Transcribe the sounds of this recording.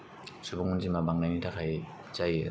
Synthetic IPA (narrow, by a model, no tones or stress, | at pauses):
subɔŋunzimabaŋnajnitʰakʰaj | zaj